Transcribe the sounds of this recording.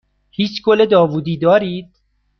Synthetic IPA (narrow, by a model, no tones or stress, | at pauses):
hiːt͡ʃkoled̪ɒːvuːd̪iːd̪ɒːɾiːd̪̥̚